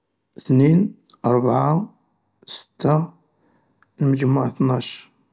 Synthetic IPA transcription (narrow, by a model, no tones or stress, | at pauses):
θninʔɑɾˤbʕa | sə̥t̪ːa | lməd͡ʒmaʕθnɑʃ